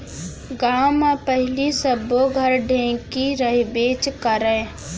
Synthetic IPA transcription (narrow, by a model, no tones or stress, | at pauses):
ɡaːmẽpəɦɪlisəboɡʱəɾɖʱẽːkiɾəɦibeːt͡ʃkəɾɛ̃ː